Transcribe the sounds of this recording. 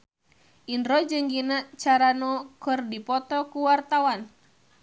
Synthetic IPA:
ʔinɾɔd͡ʒɨŋɡinat͡ʃaɾanɔkɨrdipɔt̪ɔkuwart̪awan

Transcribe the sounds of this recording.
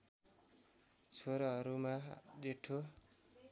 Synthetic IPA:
t͡sʰoɾʌɦʌɾumad͡zeʈʰːo

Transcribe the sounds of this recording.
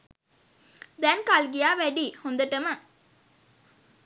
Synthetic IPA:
d̪ænkaːlɡijaːʋæɖihond̪ɐʈːɐmɐ

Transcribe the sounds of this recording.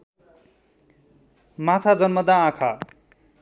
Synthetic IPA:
mat̪ʰad͡zʌnmʌd̪ãːkʰa

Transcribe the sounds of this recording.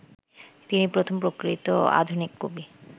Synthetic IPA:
t̪inipɾot̪ʰompɾokɾit̪oa̰d̪ʱunikːobi

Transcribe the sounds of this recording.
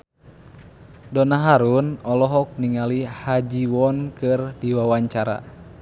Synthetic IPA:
dɔnaɦaɾunɔlɔɦɔk̚niŋalihad͡ʒiwɔnkɨrdiwawaɲt͡ʃaɾa̰

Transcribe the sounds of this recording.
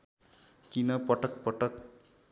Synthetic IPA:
kinʌpʌʈʌk̚pʌʈʌk

